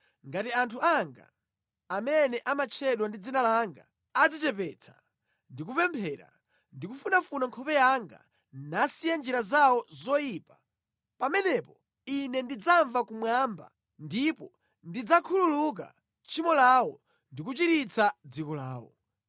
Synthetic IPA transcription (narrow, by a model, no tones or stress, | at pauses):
ŋɡatiantʰuaŋɡa̰ː | mɛnɛʔamat͡ʃʰɛɗwandid͡zinalaŋɡa̰ | ad͡zit͡ʃɛpɛt͡sʰḁ | ndik̬upɛmpʰɛːɾa̰ | ndikufunafunaŋkʰɔpɛjaŋɡa̰ | nasijand͡ʒiɾazawɔzɔjipa | pamɛnɛpɔ | inɛndid͡zaɱvakumwamba̰ | ndipɔ | ndid͡zakʰululuk̬a̰ | t͡ʃʰimɔlawɔ | ndik̬ut͡ʃiɾit͡sʰad͡zikɔlaːwɔ̰